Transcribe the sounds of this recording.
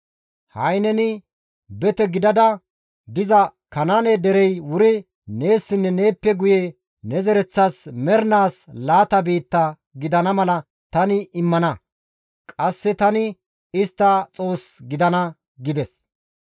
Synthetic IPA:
hɐjnɛnɪ | bɛt̪ɛɡɪd̪ɐd̪ɐ | d̪ɪzɐkɐnanɛd̪ɛɾɛjwʊɾɪ | ne̞ːsːɪnːɛne̞ːpːɛɡʊje | nɛzɛɾɛt͡sːasmɛɾnaːslaːt̪ɐbiːt̪ːɐ | ɡɪd̪ɐnɐmɐlɐ | t̪ɐnɪɪmːɐnɐ | kʼɐsːɪt̪ɐnɪ | ɪst̪ːɐt͡sʼo̞ːsɡɪd̪ɐnɐ | ɡɪd̪ɛs

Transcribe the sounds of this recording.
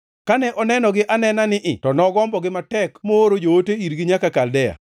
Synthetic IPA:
kanɛʔɔnɛnɔɡɪʔanɛnanɪʔɪtɔnɔɡɔmbɔɡɪmatɛkmooɾod͡ʒooteiɾɡɪɲakakaldɛja̰

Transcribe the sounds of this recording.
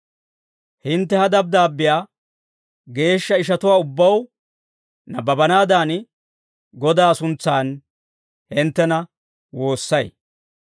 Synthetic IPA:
hɪnt̪ːɛhɐd̪ɐb̚d̪aːbːɪjaː | ɡe̞ːʃːɐɪʃɐt̪ʊwaːʊbːɐw | nɐbɐbɐnaːd̪aːn | ɡɔd̪aːsʊnt͡sːaːn | hɪnt̪ːɛnɐ | wo̞ːsːɐj

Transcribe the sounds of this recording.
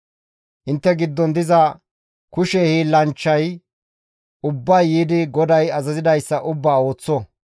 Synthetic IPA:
ʔɪnt̪ːɛɡɪd̪ːɔnd̪ɪzɐ | kʊʃɛhilɐnt͡ʃːɐj | ʊbːɐjːiːd̪ɪɡɔd̪ɐjɐzɐzɪd̪ɐjsːɐʔʊbːaːo̞ːt͡sːɔ

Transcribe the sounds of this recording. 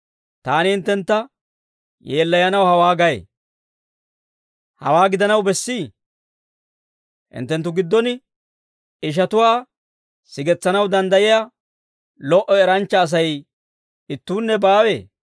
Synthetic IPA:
t̪aːnɪhɪnt̪ːɛnt̪ːɐ | jeːlːɐjɐnɐwhɐwaːɡɐjḛ | hɐ̰waːɡɪd̪ɐnɐwbɛsːiː | hɪ̰nt̪ːɛnt̪ːʊɡɪd̪ːɔn | ɪʃ̬ɐt̪ʊwaː | sɪɡɛt͡sːɐnɐwd̪ɐnd̪ɐjɪja | lɔʔɔɛɾɐnt͡ʃːɐːs̬ɐj | ɪt̪ːuːnːɛbaːwḛː

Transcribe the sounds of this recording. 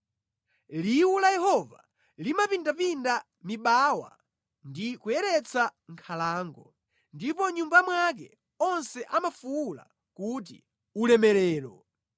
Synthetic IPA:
liwulajɛɦɔva̰ | limapindapinda | miɓaːwa̰ | ndikujɛɾɛt͡sʰaŋkʰalaːŋɡɔ | ndipɔɲumbamwak̬ɛ̰ | ɔnsɛʔamafuula̰ | kut̬ḭ | ulɛmɛlɛːɾɔ

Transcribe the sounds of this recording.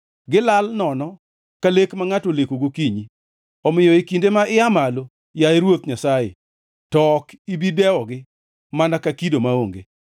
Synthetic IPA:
ɡɪlalnɔnɔ | kalekmaŋatolekoɡokiɲi | ɔmɪjɔikindemaʔɪamalo | jaeɾwot̪ɲasajḛ | tɔkibidɛwɔɡɪ | manakakidomaoŋɡḛ

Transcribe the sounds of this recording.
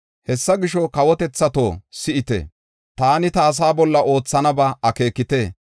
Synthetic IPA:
hɛsːɐɡɪʃɔkɐwɔt̪ɛt͡sːɐt̪o̞̰ːsɪʔɪt̪ɛ̰ | t̪aːnɪt̪aːs̬aːbɔlːɐʔo̞ːt͡sːɐnɐbɐɐke̞ːkːɪt̪eː

